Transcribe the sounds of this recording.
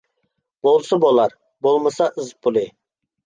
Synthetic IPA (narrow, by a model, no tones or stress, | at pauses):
b̥olˠsəbolˠɑɾ | bolˠməsɑʔɨzpʰʊlˠɪ